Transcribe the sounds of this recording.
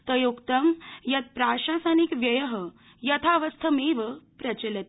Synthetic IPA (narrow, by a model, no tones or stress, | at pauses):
t̪əjukt̪əmjɐt̪̚pɾaɕasanikʋjɐjəɦə | jɐt̪ʰaʋəst̪ʰəmeʋəpɾɐt͡ɕələt̪